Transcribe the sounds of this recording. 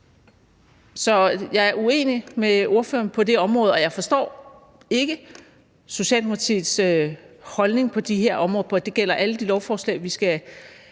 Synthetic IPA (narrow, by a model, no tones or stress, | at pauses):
sɒ̽jɑ̈ɪæɐue̝̰ːnimeo̝ɐfø̰ːɐnpʰɒ̽d̥e̝ɒ̽mʁɔ̽ːð̞̩ˠɒ̽jɑ̈ɪfɒ̽sd̥ɒ̰ː | e̝ɡ̥ə | so̝ɕɛ̰ːlmuɐt͡sʰḭðˠs | hɒ̽lne̝ŋpʰɒ̽d̥iɦeɐ̰ʔɒ̽mʁɔ̽ːð̩ˠpʰɒ̽d̥e̝ɡ̥el̰ɐʔæləd̥ilɒʊfɒːslɛ̰ɪʋisɡ̥æ